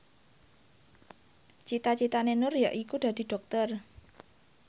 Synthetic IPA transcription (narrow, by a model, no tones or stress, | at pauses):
t͡ʃit̪at͡ʃit̪anenʊrja̰ʔikud̥̪a̤d̪̥i̤ɖ̥ɔ̤k̚t̪ɔr